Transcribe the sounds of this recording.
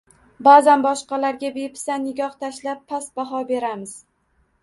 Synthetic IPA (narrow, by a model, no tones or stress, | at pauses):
bazanbɒʃqɑlaɾɡʲabepʰɪ̥sanːɪɡʲɒht̪ʰaʃlapʰːasbaɦɒbe̞ɾamɪz̥